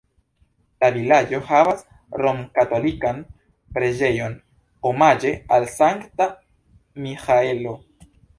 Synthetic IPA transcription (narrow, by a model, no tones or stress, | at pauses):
lavilad͡ʒo̞havas | ɾo̞mkato̞likan | pɾe̞d͡ʒe̞jo̞n | omad͡ʒe̞alsaŋkta | mixaelo